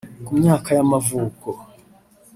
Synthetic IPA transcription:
kumɲaːkajamavuːko

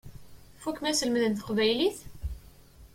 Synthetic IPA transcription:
fukmæsəlməðənt̪ə̥qvæjliθ

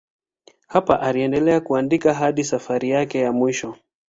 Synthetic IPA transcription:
hapaʔaliɛndɛlɛakuandikaɦaɗisafaɾijakɛjamwiʃɔ

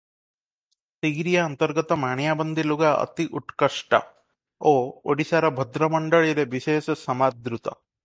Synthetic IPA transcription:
t̪iɡɾijaːnt̪ɐɾɡɐt̪ɐmaːɳjaːbɐnd̪ʱiluɡaə̰t̪iʔuʈkɐʂʈa̰ | oːoɽisaːɾɐbʱɐd̪ɾɐmɐɳɖɐɭiɾeʋiʃeːʃsɐmad̪ɾut̪ɐ̰

